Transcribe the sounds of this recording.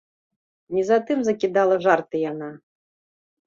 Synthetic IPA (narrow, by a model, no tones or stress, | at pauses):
nʲizat̪ɨmzɐkʲid̪alˠɐʐart̪ɨjana